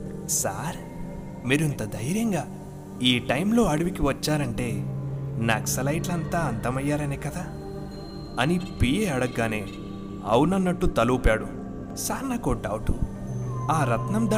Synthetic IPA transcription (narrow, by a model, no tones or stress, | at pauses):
saːɾ | miːɾint̪ɐd̪ɐjɾjɐŋɡaː | iːʈɐjmlo̞ːɐɽuʋikiʋɐt͡ʃːaːɾɐɳʈe̞ːnaksɐlɐjʈlɐnt̪aːɐnt̪ɐmɐjːaːɾɐneːkɐd̪aː | ɐnipijeːɐɽɐɡːaːne̞ː | ɐ̰wunɐnːɐʈːut̪ɐluːpaːɽu | saːɾnaːkoːʈːaːwʈu | aːɾɐt̪nɐmd̪a